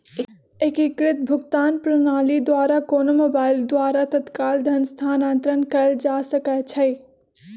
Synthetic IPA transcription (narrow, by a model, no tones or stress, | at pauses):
ekikɾɪt̪̚bʱʊɡt̪aːnpɾənaːlid̪waːɾakoːnomoːbaːɪld̪waːɾat̪ɐt̪kaːld̪ʱɐnst̪ʰaːnãːnt̪ɾənkɐld͡ʒaːsɐkɛt͡ʃʰɐj